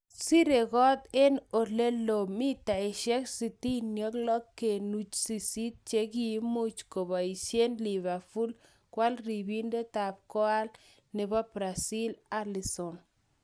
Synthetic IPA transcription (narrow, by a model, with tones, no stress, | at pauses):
si˦ɾe˨kɔ˦t̪e˦no˨le˦lo˨mi˦ta˨ɪ˨ʃɛ˦ksi˨ti˦njɔ˦klɔ˦kːe˨nu˨t͡ʃsi˨si˦t̪̚t͡ʃe˦ki˨˦mo˦t͡ʃko˨ba˨i˨ʃje˦nli˨βa˨fu˦l | kwa˦lɾi˨bi˦nde˦ta˨p̚kɔ˦a˦l | nɛ˨ba˦pɾa˨si˦la˦li˨sɔ˨n